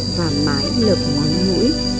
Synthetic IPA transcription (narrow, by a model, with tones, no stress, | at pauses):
vaː˨˩maː˨˦jləː˨˩p̚ŋɔ˧nŋɨ̰˧˥j